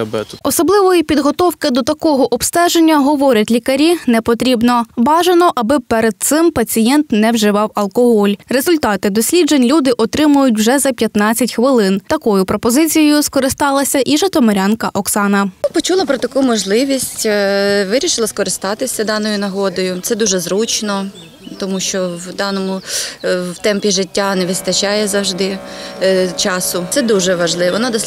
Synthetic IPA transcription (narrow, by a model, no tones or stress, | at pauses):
bɛɔsɔblˠɪʋɔjipʲid̪ɦɔt̪ɔwkɪd̪ɔt̪ɐkɔɦɔʔɔpst̪ɛʒenʲːɐɦɔʋɔɾʲɐtʲlʲikɐɾʲinɛpɔt̪ɾʲibnɔbɑʒɐnɔʔɐbɪpɛɾed̪̚t̪sɪmpɐt͡sʲijɛnt̪nɛwʒɪʋɑwɐlˠkɔɦɔlʲrezʊlʲt̪ɑt̪ɪd̪ɔsʲlʲid͡ʒenʲlʲud̪ɪʔɔt̪ɾɪmʊjʊtʲwʒɛzɐpʲjɐt̪nɑt͡sʲːɐtʲxʋɪlˠɪnt̪ɐkɔjʊpɾɔpɔzɪt͡sʲijɛjʊskɔɾɪst̪ɑlˠɐsʲɐʔiʒɐt̪ɔmɔɾʲɑnkɐʔɔksɑnɐpɔt͡ʃulˠɐpɾɔt̪ɐkumɔʒlˠɪʋʲisʲtʲʋɪɾʲiʃɪlˠɐskɔɾɪst̪ɑt̪ɪsʲɐd̪ɑnɔjʊnɐɦɔd̪ɔjʊt̪sɛd̪uʒɛzɾut͡ʃnɔ | t̪ɔmuʃt͡ʃɔwd̪ɑnɔmʊ | wt̪ɛmpʲiʒɪtʲːanɛʋɪst̪ɐt͡ʃɑjɛzɐwʒd̪ɪ | t͡ʃɑsʊt̪sɛd̪uʒɛʋɐʒlˠɪʋʋɔnɑd̪ɔ